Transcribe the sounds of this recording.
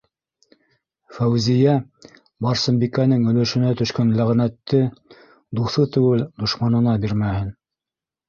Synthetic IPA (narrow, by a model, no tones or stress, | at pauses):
fæwzijæ | bɑɾsɤ̆mbikænɘŋɵ̆lɵ̆ʃɵ̆næt̪ɵ̆ʃkænlæʁnæt̪ːɘ | d̪uθɤt̪ɘ̆wɘld̪ŏʃmɑnɤ̆nɑbiɾmæhɘn